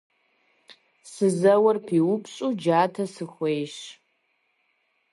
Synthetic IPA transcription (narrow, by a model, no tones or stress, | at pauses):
sɨzɐwɐrpʰiːwʊpɕʼud͡ʒaːtʰɐsɨxʷejʃ